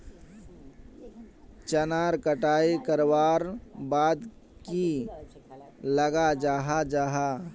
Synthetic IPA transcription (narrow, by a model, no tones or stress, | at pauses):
t͡ʃənaːɾkəʈaːikəɾwaːɾbaːd̪ | ki | ləɡad͡ʒaːɦad͡ʒaːɦaː